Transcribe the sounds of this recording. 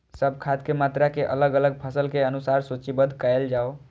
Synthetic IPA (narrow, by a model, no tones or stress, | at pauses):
səbʱkʰat̪kemat̪ɾakeʔə̰ləɡələɡ̚pʰəsəlkeənusaɾsot͡ʃibəd̪ʱkəeld͡ʒao